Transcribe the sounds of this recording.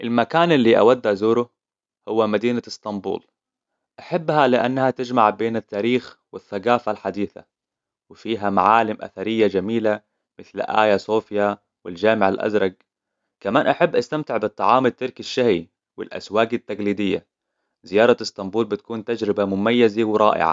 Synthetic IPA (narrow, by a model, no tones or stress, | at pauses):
ʔɪlmakaːnɪlːiːʔa̰wad̪ːʔazuːɾʊ | hʊwːamad̪iːnaɪst̪ˤɑmbṵːl | ʔaħabːhalɪʔanːahat̪ɪd͡ʒmaʕbeːnɪt̪ːaːɾiːxwɪθːaɡaːfalħad̪iːθa̰ | wɪfiːɦamaʕaːlɪmʔa̰θaɾɪjːad͡ʒamiːla | mɪθlʔa̰ːjasoːfja | wɪld͡ʒaːmɪʕalʔa̰zɾˤɑɡ̚ | kamaːnʔaħabːʔast̪amt̪ɪʕbɨt̪ˤːɑʕɑːmɪt̪ːɪɾˤkiʃːahi | wɪ̰lʔa̰swaːɡɪt̪ːaɡliːd̪ɪjːa̰ | zɪjɑːɾˤɑst̪ˤɑmbuːlbɪt̪̚kuːnt̪ad͡ʒɾɪbamʊmajːazawɾˤɑ̰ːʔɪ̰ʕa̰